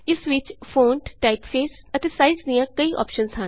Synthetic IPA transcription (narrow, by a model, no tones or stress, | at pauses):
ɪsʋɪt͡ʃpʰoːnʈʈaɪpfeːs | ət̪eːsaizd̪ijãːkəiːʔɔ̰ːpʃənsɦən